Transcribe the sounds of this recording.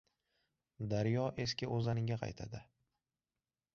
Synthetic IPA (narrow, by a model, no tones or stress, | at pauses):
d̪aɾjɒʔe̞skʲɪʔozanɪŋɡʲaqʰɑ̰jt̪ʰa̰d̪ɪ